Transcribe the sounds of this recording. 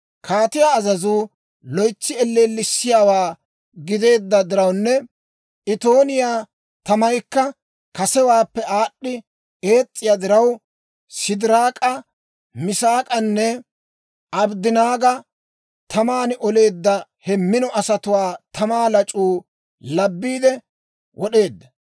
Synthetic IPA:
kʰaːt̪ɪjaːzɐzuː | lɔjt͡sːɪɛlːeːlːɪsːɪjaːwaː | ɡɪd̪e̞ːd̪ːɐd̪ɪɾɐwnːɛ | ʔɪt̪o̞ːnɪjaː | t̪ɐmɐjkːɐ | kɐsɛwaːpːɛaːɗːɪ | e̞ːt͡sʼːɪjad̪ɪɾɐw | sɪd̪ɪɾaːkʼɐ | mɪsaːkʼɐnːɛ | ɐbd̪ɪnaːɡɐ | t̪ʰɐmaːnɪʔɔle̞ːd̪ːɐhɛmːɪnɔʔɐsɐt̪ʊwaːt̪ɐmaːlɐt͡ʃʼuː | lɐbːiːd̪ɛ | wʔɔɗe̞ːd̪ːɐ

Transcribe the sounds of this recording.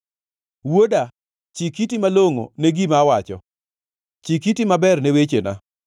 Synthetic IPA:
woda | t͡ʃikitimaloŋo̰neɡimawat͡ʃɔ̰ | t͡ʃikitimabɛrnewet͡ʃena̰

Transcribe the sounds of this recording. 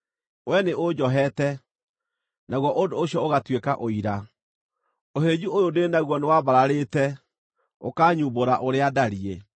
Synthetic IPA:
wɛneʔod͡ʑɔɦɛtɛ | naɣwɔʔondoːɕjɔoɣatwekaʔoiɾa | oɦed͡ʑuojodenaɣwɔnewaβaɾaɾetɛ | okaːɲuːboɾaʔoɾeadaɾie

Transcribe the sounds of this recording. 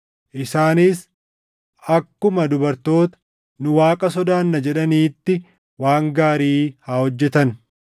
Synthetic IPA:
ʔɪsaːniːs | ɐkːʊmɐd̪ʊbɐɾt̪o̞ːt̪ɐ̥ | nʊwaːkʼɐsɔd̪aːnːɐd͡ʒɛᶑɐniːt̪ːɪ | waːŋɡaːɾiːhaːhɔd͡ʒːɛt̪ɐn

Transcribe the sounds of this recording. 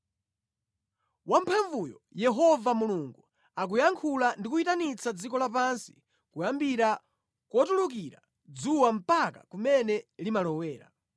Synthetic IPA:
wam̩pʰaɱvujɔ̰jɛɦɔvamuluŋɡu | ak̬ujaŋkʰulandikuitanit͡sʰad͡zikɔlap̬ansi̥ | kujambiɾa | kwɔtuluk̬iɾa̰ | d͡zuwam̩paka̰kumɛnɛlimalɔwɛːɾa̰

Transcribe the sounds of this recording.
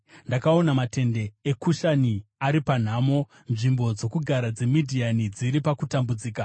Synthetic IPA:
ndakao̞namate̞nde̞ekuʃaniaɾipan̤aːmo̞ | nʐimbo̞d͡zo̞kuɡʱaɾad͡ze̞midʱianid͡ziɾipakutambud͡ziːka

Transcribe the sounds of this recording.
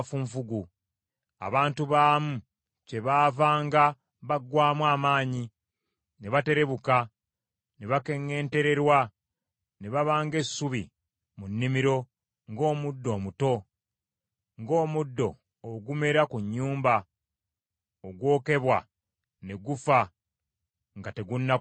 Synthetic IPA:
fuɱfuɡu | a̰βaːntuβaːmu | ce̞βaːvaːŋɡa | βaɡwaːmwaːmaːɲi | neβate̞ɾe̞βuka | neβake̞ŋe̞ːnte̞ɾe̞ɾwa | ne̞βaβaːŋɡe̞sːuβi | munːimiɾo̞ | ŋɡo̞ːmudːo̞ːmuto̞ | ŋɡo̞ːmudːo̞̰ː | ɡume̞ɾakuɲːuːmba | oɡwo̞ːke̞βwa | ne̞ɡufa | ŋɡate̞ɡunːa

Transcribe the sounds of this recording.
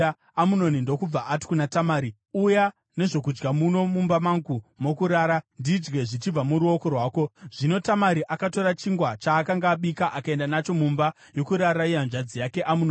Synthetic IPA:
amuno̞nindo̞kub͡vaʔati̥kunatamaːɾi | uja | ne̞ʐo̞kud͡ʒɡamuno̞mumbamaŋɡumo̞kuɾaːɾandid͡ʒɡe̞ʐit͡ʃib͡vamuɾuo̞ko̞rwaːko̞ʐ̥ino̞tamaɾiʔakato̞ɾat͡ʃiŋɡwat͡ʃaːkaŋɡaːɓikaʔakae̞ndanat͡ʃo̞mumba | jo̞kuɾaɾaijand͡ʒad͡zijake̞ʔamuno

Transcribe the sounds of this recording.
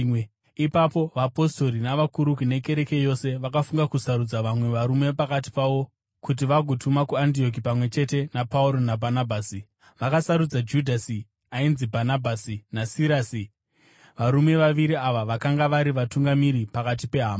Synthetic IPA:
ipapo̞ʋapo̞sto̞ɾinaʋakuɾukune̞ke̞ɾe̞ke̞jo̞se̞ʋakafuŋɡakusaɾud͡zaʋamwe̞ʋaɾume̞pakat̬i̥paʋo̞ | kut̬iʋaɡʱo̞tʰumakuant̬io̞k̬ipamwe̞t͡ʃe̞te̞napauɾo̞nabʱanabʱaːsi | ʋakasaɾud͡zad͡ʒudʱasi | ainzibʱanabʱasinasiɾaːsi | ʋaɾume̞ʋaʋiɾiaʋaʋakaŋɡaʋaɾiʋatuŋɡamiɾipakatipe̞ɦaːma

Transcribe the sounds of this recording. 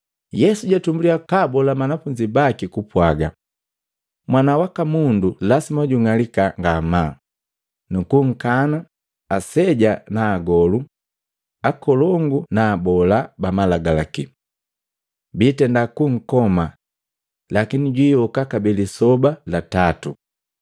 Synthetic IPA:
jɛsuɟatumbuliakabɔlamanafuɲd͡ʒibakikupwaɡa | mwanawakamundulasimaɟuŋalikaŋɡama | nukuŋ̩kanaː | sɛɟanaːɡɔlu | akɔlɔŋɡunaːbɔlabamalaɡalaki | biːtɛndakuŋ̩kɔma | lakiniɟwiːɔkakabɛlisɔbalatatu

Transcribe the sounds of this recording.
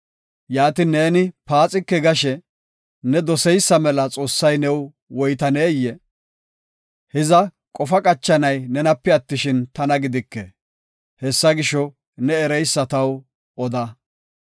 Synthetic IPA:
jaːt̪ɪne̞ːnɪpaːt͡sʼɪkːɛɡɐʃɛ | nɛd̪ɔsɛjsːɐmɛlɐt͡sʼo̞ːsːɐjnɛw | wɔjt̪ɐneːjːɛ | hɛzɐ | kʼɔfɐkʼɐt͡ʃːɐnɐjnɛnɐpːɛɐt̪ːɪʃɪnt̪ɐnɐɡɪd̪ɪkːɛ | hɛsːɐɡɪʃɔ | nɛːɾɛjsːɐt̪ɐw | ɔd̪ɐ

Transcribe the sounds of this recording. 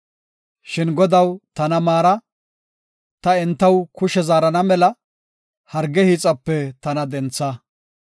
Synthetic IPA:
ʃɪnɡɔd̪ɐwt̪ɐnɐmaːɾɐ | t̪ɐɛnt̪ːɐwkʊʃɛzaːɾɐnɐmɛlɐ | hɐɾɡɛhiːt͡sʼɐpːɛt̪ɐnɐd̪ɛnt͡sːɐ

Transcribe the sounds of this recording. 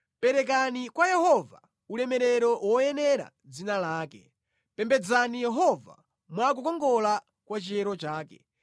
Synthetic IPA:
pɛɾɛk̬anikwajɛhɔva | ulɛmɛɾɛɾɔwɔjɛnɛɾa̰ | d͡zinalaːkɛ | pɛmbɛd͡zanijɛɦɔva̰ | mwak̬ukɔŋɡɔla | kwat͡ʃiɛɾɔt͡ʃaːkɛ̰

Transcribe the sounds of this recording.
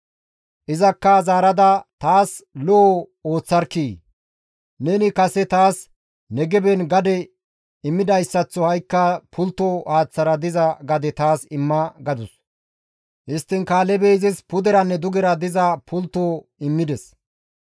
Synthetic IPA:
ʔɪzɐkːɐzaːɾɐd̪ɐt̪aːslɔoːt͡sːɐɾkiː | nenɪkɐsɛt̪aːs | nɛɡɛbɛnɡɐd̪ɛ | ɪmːɪd̪ɐjsːɐt͡sːɔhɐjkːɐpʰʊlt̪ːohaːt͡sːɐɾɐd̪ɪzɐɡɐd̪ɛt̪aːsɪmːɐɡɐd̪ʊs | hɪst̪ːɪnkaːlɛbeɪzɪspʊd̪ɛɾɐnːɛd̪ʊɡɛɾɐd̪ɪzɐpʊlt̪ːoː | ɪmːɪd̪ɛs

